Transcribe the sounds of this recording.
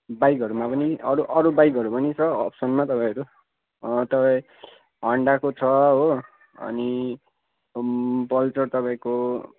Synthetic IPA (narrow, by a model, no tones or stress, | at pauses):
bajkʌɾumapʌniʌɾuʔʌɾubajkʌɾupʌnit͡sʰʌʌ̰psʌnmat̪ʌpãĩɦʌɾu | t̪ʌpãĩ | ɦʌɳɖakot͡sʰʌɦo | ʌ̰ni | pʌlt͡sʌrt̪ʌpãĩko